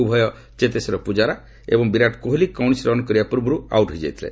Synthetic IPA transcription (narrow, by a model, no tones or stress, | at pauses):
ubʱɔjɔ | t͡ʃet̪esɔɾɔpud͡ʒaɾa | ḛbɔŋbiɾaʈkoɦilikawnisɾɔnkɔɾibapɔɾbɔɾua̰wʈɦɔjd͡ʒa̰jt̪ʰilḛ